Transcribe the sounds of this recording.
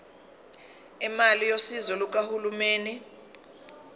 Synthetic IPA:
imalijosizɔluk̬ʼahulumeːni

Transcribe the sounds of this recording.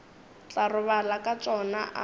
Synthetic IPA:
t͡ɬarʊβalakʼat͡ʃʼɔnaʔa

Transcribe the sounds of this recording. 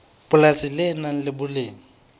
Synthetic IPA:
bʊlasɪlɪnaŋ̩lɪbʊlɪːŋ̩

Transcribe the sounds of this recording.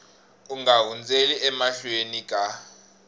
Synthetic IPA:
uŋɡaɦund͡zʱeliʔɛmaɬuwenikʼa

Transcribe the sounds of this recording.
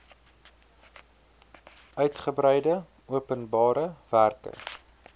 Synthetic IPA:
ʔœɥtχəbrɛjdə | uəpənbɑːɾəværkə̰

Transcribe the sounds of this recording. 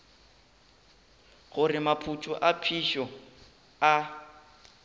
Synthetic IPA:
ɣʊrɪmapʰut͡ʃʰʼʊʔapʰiʃɔ | a

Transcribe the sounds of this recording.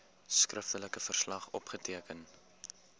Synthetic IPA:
skrəftələkəfərslɐχɔpχətiəkən

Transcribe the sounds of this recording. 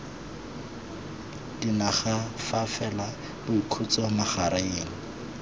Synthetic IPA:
d̥inaχafafɛla | bʊikʰʊt͡sɔmaχaɾaeːŋ̩

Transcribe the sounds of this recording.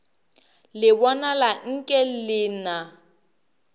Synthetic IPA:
lɪbɔnalaŋ̩kʼɛlɪːna

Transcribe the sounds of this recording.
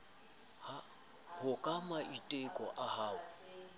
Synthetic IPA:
a | hʊkʼamaitʼekʼɔʔahaːʊ

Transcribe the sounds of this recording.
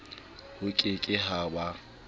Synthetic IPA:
hʊkʼɪkʼɪɦaba

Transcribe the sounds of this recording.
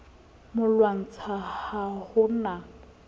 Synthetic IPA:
mʊlwaŋ̩t͡sʰahahʊna

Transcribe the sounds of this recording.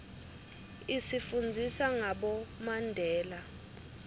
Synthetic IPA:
isifund͡zʱisaŋaɓɔmandʱɛːla

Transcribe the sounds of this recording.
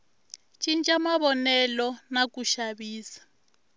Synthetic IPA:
t͡ʃʼint͡ʃʼamaβɔnɛlɔnakuʃaβiːsḁ

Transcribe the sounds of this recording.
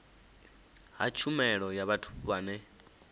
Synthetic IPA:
ɦa̰t͡ʃʰumɛɺɔjaβatʰu̥βaːnɛ

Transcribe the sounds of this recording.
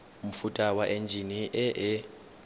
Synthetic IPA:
m̩futʼawaʔend͡ʒʱiniʔɛɛ

